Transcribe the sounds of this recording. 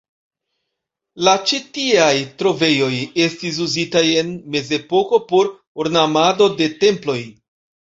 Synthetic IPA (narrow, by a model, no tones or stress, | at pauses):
lat͡ʃitiajtɾo̞ve̞jo̞je̞stis̬uzitaje̞nme̞ze̞po̞ko̞po̞ɾ | uɾnamado̞de̞te̞mplo̞j